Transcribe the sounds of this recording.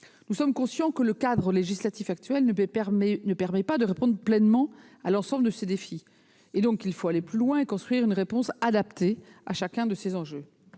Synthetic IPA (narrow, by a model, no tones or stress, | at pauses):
nusɔmkɔ̃sjɑ̃kələkad̪ʁəleʒislat̪ifak̚t̪ɥɛln | nəpɛʁmɛpad̪əʁepɔ̃d̪ʁəplɛnmɑ̃ | alɑ̃sɑ̃bləd̪əsed̪efi | ed̪ɔ̃kilfoaleplylwɛ̃ekɔ̃st̪χɥiʁynʁepɔ̃sad̪apt̪ea̰ʃakʲɛ̃d̪əsezɑ̃ʒø